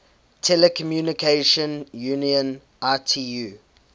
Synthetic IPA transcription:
tʰɛlɛkʰɔmjuːnikʰeʃə̃njuːniə̃n | ʔatʰijuː

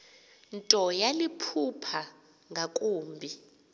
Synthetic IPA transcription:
ntʼɔjalipʰupʰa | ŋɡʱakʼuːmbʱi

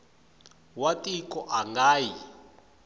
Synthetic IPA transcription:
watʼikɔʔaŋɡaːji

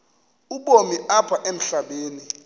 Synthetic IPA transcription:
uɓomiapʰaʔem̩ɬaɓeːni

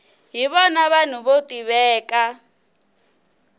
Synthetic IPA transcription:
ɦiβɔnaβan̤uβotʼiβɛːkʼa

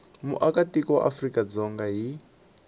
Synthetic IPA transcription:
mṵʔakatikɔʔa̰frikad͡zɔŋɡaɦi

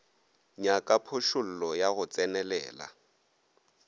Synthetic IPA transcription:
ɲakʼapʰʊʃʊl̩lɔjaɣʊt͡sʼɛnɛlɛ̰ːla̰

